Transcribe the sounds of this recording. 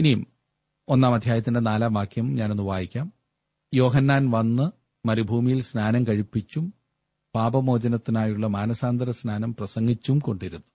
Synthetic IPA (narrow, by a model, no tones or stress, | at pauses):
inijum | o̞nːaːmɐd̪ʱjaːjɐt̪ːinde̞naːlaːʋaːkʰjɐmumɲaːno̞nːuʋaːjikʲːaːm | jo̞ːɦɐnːaːnʋɐnːɨ | mɐɾibʱuːmijilsnaːnɐmkɐɻipːit͡ɕːum | paːbɐmo̞ːd͡ʑɐnɐt̪ːinaːjuɭːɐmaːnɐsaːnd̪ɐɾɐsnaːnɐmprɐsɐŋɡit͡ɕːumko̞ɳɖiɾunːu